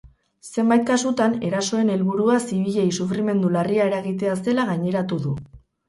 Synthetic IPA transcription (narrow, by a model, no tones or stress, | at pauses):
se̞mbajt̪̚kasut̪ane̞ɾaso̞e̞ne̞lβuɾuasiβ̞iʎe̞jsufɾime̞nd̪ulariae̞ɾaɣit̪e̞ase̞laɣajɲe̞ɾat̪uðu